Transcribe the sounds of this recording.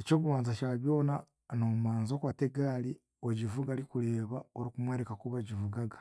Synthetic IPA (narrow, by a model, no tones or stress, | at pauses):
eco̞ːβuβaːnzaʃaβjo̞ːna | nomumaːnzokwateɡaːli | oɟivuɡalikuɾeːβaoɾikumweːɾekakuβaɟivuɡaɡḁ